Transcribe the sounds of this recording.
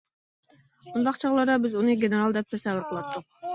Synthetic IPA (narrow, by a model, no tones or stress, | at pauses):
und̪ɑqt͡ʃʰɑʁlˠɑɾd̪ɑbɪzunɨɡʲeneɾɑlˠd̪ɛp̚t̪ʰɛsɛvːʊɾqʰəlˠɑt̪ːʊq̚